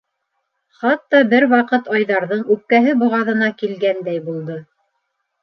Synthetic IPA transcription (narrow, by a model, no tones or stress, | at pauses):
χɑt̪ːɑbɘɾwɑqɤt̪ɑjðɑɾðɤɴʉp̚kæɦɘbŏʁɑðɤ̆nɑkilɡænd̪æjbulˠd̪ɤ